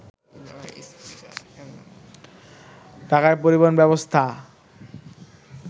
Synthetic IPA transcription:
ɖakaɾpoɾibonbɛbost̪ʰa

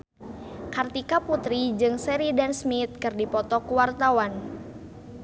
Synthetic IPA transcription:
kart̪ikaput̪ɾid͡ʒɨŋsɛɾidɛnsmit̪̚kɨrdipɔt̪ɔkuwart̪awan

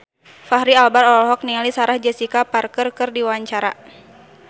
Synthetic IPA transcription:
fahɾialbaɾɔlɦɔk̚niŋalisaɾahd͡ʒɛsikaparkərkɨrdiwaɲt͡ʃaɾa

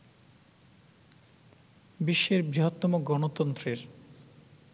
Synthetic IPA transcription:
biʃːeɾbɾiɦot̪ːɔmoɡɔnot̪ɔnt̪ɾeɾ

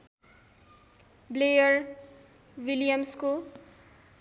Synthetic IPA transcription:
blejʌr | wilijʌmsko

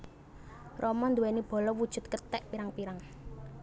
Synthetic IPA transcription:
rʔɔmɔnd̪uwenib̥ɔ̤lɔwud̥ʒ̥ʊ̤t̪̚kət̪ɛʔpiɾaŋpiɾaŋ

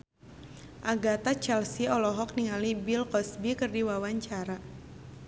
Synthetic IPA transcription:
ʔaɡat̪at͡ʃɛlsiɔlɔɦɔk̚niŋalibilkɔsbikɨrdiwawaɲt͡ʃaɾa

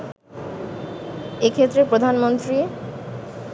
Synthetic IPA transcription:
ekʰet̪ːɾepɾod̪ʱanmont̪ɾi

